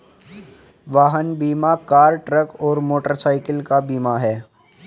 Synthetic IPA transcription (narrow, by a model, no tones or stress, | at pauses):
ʋaːɦənbiːmakaːɾʈɾəkɔːɾmoːʈəɾsaːɪkəlkabiːmaɦɛː